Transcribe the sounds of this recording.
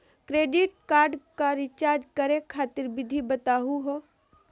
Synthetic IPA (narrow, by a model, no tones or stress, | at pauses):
kɾeːɖɪʈkaːɾɖkaɾɪt͡ʃaːɾd͡ʒkəɾẽkʰaːt̪ɪɾbɪd̪ʱibɐt̪aːɦuɦoː